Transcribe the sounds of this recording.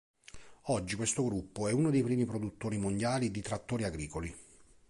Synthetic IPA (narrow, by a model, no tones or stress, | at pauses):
ɔd͡ʒːikwest̪oɡɾupːoɛunod̪ejpɾiːmipɾod̪ut̪ːoːɾimond̪jaːlid̪it̪ɾat̪ːoːɾiaɡɾiːkoli